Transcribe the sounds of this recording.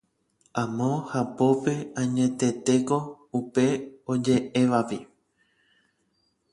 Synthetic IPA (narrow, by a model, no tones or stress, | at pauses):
ãmõhapo̞pe̞ãɲẽ̞t̪e̞t̪e̞ko̞ | upe̞od͡ʒe̞ʔeʋapi